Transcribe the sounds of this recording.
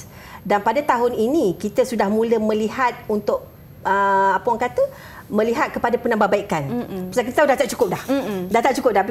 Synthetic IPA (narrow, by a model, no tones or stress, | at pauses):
danpadat̪aɦʊninĩkit̪əsudahmũləmə̃liɦat̪̚unt̪ʊʔ̚ | əapəwaŋkat̪ə | mə̃liɦat̪̚kəpadapənãmbabaikanpəsakit̪ət̪adat̪aʔt͡ʃu̥kʊp̚dahdat̪aʔt͡ʃukʊp̚dab